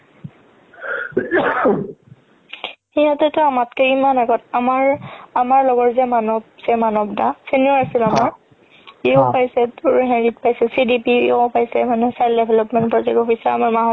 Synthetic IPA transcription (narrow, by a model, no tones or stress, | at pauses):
xijatɛtʊamatkɛimanaɡɔtamaɹamaɹlɔɡɔɹzɛmanɔbsɛmanɔbdasiniɔasilamaɹ | epajsɛtuɹɦɛ̃ndit̚pajsɛsidipiopajsɛmanɛsajldɛbʱɛlɔpmɛ̃ntpɹɔtɛkɔpʰisaamaɹmaɦɔ